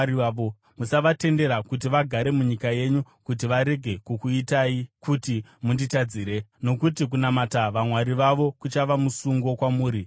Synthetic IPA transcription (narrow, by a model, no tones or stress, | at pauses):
iaʋo | musaʋate̞nde̞ɾakut̬iʋaɡʱaɾe̞muɲikaje̞ɲukut̬iʋaɾe̞ɡʱe̞kukuitaikutimunditad͡ziːɾe̞no̞kutik̬unamataʋamwaɾiʋaʋo̞kut͡ʃaʋamusuŋɡo̞kwamuːɾi